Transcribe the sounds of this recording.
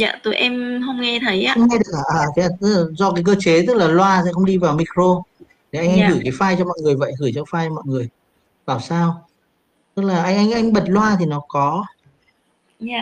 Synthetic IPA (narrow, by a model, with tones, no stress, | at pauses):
za̰ː˧˨t̪o˨˦jʔɛ˧mɦə˧wŋ͡mŋɛ˧t̪ʰə˨˦jʔa˧ə˧ŋ͡mŋɛ˧˨˩kaː˧˩ʔəː˨˩st̪ːzɔ˧kaː˨˦jk̬əː˧t͡ɕe˨˦t̪ɨ˦˥k̚laː˨˩lwaː˧sɛ̰˧˥xə˧wŋ͡mɗi˧vaː˨˩wmi˧kɾo˧ | t̪ʰi˨˩ʔa˧ŋ̟ʔa˧jŋɣɨ˧˩jkaː˨˦jfaː˧jt͡ɕɔ˧mɔ̰˧˨jŋɨ˨˩əjvə̰˧˨jɣɨ˧˩jt͡ɕɔ˧faː˧jɔ˧mɔ̰˧˨jŋɨ˨˩əj | vaː˨˩wsaː˧w | t̪ɨ˦˥k̚laː˨˩ʔa˧jŋ̟ʔa˧jŋ̟ʔa˧jŋ̟ɓə˨˩t̚lwaː˧t̪ʰi˨˩nɔ˨˦kɔ˨˦˧